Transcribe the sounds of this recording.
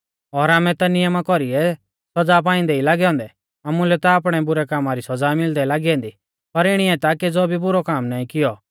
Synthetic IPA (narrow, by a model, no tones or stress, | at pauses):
ɔːɾaːmɛ̃t̪anɪjəmakɔɾiɛ | sɐd͡zaːp̬ãːɪ̃nd̪ɛilaːɡɛɔ̃ːnd̪ɛ | aːmulɛt̪aːp̬ɽ̃ɛbʊɾɛkaːmaɾisɐd͡zaːmɪld̪ɛlaːɡiɛ̃ːnd̪i | pɐɾɪɽ̃iɛt̪aked͡zoːbʱibʊɾɔkaːmnaːĩkɪjɔ